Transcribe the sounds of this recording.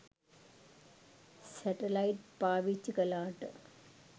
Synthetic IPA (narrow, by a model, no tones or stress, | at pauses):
sɐʈɐlɐjʈpaːʋit͡ɕːukɐlaːʈːɨ